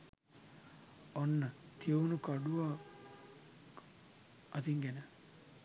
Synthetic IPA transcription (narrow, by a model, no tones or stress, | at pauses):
onːɐt̪ʰiəunukɐɖuʋaː | ɐt̪iŋɡenə